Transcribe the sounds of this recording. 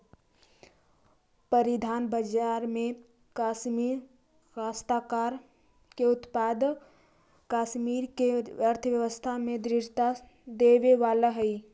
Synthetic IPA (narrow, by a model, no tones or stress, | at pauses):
pəɾid̪ʱaːnbəd͡ʒaːɾmẽ | kaːʃmiːɾ | kaːst̪akaːɾ | keʊt̪paːd̪ | kaːʃmiːɾkeəɾt̪ʰəʋjəʋəst̪ʰamẽd̪ɾɪʃt̪a | d̪eːʋeʋaːlaɦəi